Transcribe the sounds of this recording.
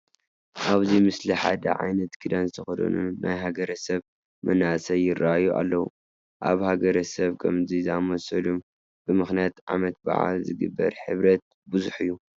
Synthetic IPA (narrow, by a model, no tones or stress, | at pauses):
ʔaβzimɨsliħad̪ɐ̰ʕa̰jnɐt̪ɡʰɨd̪anzt̪ʰɐxɐd̪ɐ̰nunajɦaɡɐɾɐsɐβ | mʔɐnasɐjɪrːaʔajuʔa̰lːɐwu | ʔa̰βhaɡɐɾɐsɐβkʰɐmzizamosɐlum | b̥ɨmɨxnijat̪ʕa̰mɐt̪̚ba̰ʕa̰lzɨɡɨ̰bːɐ̰ɾħɨβɾɐt̪̚ | bɨzuħɨjːu